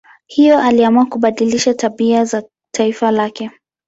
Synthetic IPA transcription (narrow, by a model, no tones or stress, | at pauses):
hijɔʔaliamuakuɓaɗiliʃataɓiaza | tʰaifalakɛ